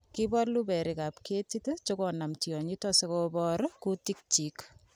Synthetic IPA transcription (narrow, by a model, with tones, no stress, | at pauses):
ki˦bɔ˦rlu˦bɛ˨ɾi˨ka˨pke˦titet͡ʃoko˨na˨mti˨ɔ˨ɲi˦tɔ˦se˦kobɔ˦ɾku˦tik̚t͡ʃi˨k